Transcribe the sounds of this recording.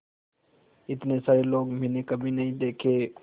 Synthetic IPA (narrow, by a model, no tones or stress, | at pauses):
ɪt̪nesaːɾeloːɡmɪnekəbʱinəɦĩːd̪eːkʰeː